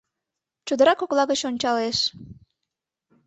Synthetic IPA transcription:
t͡ɕud̪əɾɑkoklɑɣət͡ɕonʲt͡ɕɑleʃ

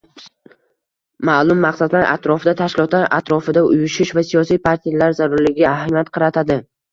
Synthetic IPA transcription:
maːlˠʊmːaqsad̪laɾʔa̰t̪ɾɒfɪd̪at̪ʰaʃkʲɪlˠɒt̪laɾʔa̰t̪ɾɒfɪd̪aʊjʊʃɪʃvasijɒsijpʰaɾt̪ʰijalaɾzaɾʊɾlɪɡʲaahamijat̪̚qʰɑɾat̪ʰad̪ɪ

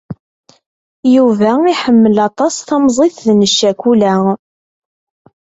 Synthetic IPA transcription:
juvæiħəmːəlɑt̪ˤɑsθɑmzˤeθðnəʃːækʷulæ

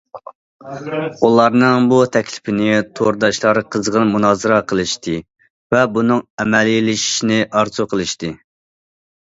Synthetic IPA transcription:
ulˠɑɾnɨŋbut̪ʰɛkʲlɪ̥pɪnɪt̪ʰoɾd̪ɑʃlˠɑɾqʰəzʁənmunɑːzɨɾɑqʰəlˠɨʃt̪ʰɨ | vɛbunɨŋɛmɛlilɪʃi̥ʃnɪʔɑɾzuqʰəlˠɨʃt̪ɨ

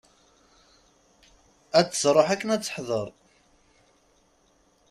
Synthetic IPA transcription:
æt͡sːə̥srˤəħækːənæt͡sːə̥ħðˤəɾˤ

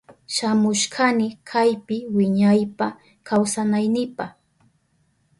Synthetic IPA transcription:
ʃamʊʃkʰanɪkʰajpɪwɪɲajpa | kʰawsanajnɪpaχ

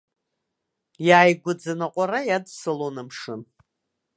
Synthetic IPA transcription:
jaːjɡʷʊd͡zɨnaqʷʼaɾajadsɨlonɨmʂɨn

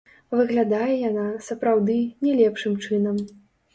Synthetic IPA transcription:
vɨɣlʲad̪ajɛjanasɐpɾawd̪ɨnʲɛlʲɛpʂɨmt͡ʂɨnɐm

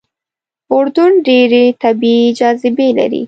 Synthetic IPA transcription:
ʊɾd̪ʊɳɖeɾet̪abiiːd͡ʒɑzɪbela̰ɾḭ

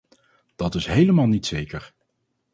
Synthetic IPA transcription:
d̥ɑtɪsɦejləmaːlˠnitsejkəɹ

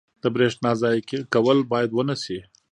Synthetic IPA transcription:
d̪̥əbɾeʂʈnɑzɑjkekawəlbɑjad̪wənasi

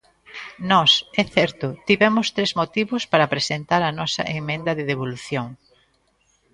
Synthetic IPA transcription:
nɔsɛθɛɾt̪ʊt̪iβɛmʊst̪ɾezmot̪iβʊspaɾɐpɾesent̪aɾɐnɔsɐ̰ʔemẽnd̪ɐðeðeβ̞oluθjoŋ

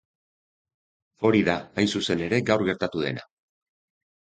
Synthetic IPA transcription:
fo̞ɾiðaːjsuse̞ne̞ɾe̞ɡawɾɣe̞ɾt̪at̪uðe̞na̰

